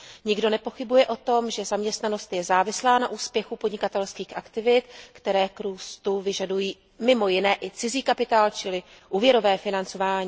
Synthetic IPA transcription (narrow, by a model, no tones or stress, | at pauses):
ɲɪɡdo̞nɛpo̞xɪbujɛʔo̞t̪o̞mʒɛzamɲɛst̪nano̞st̪jɛzaːvɪslaːnaʔuːspjɛxupodɲɪkat̪ɛlskiːxʔakt̪ɪvɪt̪kt̪ɛɾɛːkɾuːst̪uvɪʒadujiː | mɪmo̞jɪnɛːʔɪt͡sɪziːkapɪt̪aːlt͡ʃɪlɪ | ʔuːvjɛɾo̞vɛːfɪnant͡so̞vaːɲiː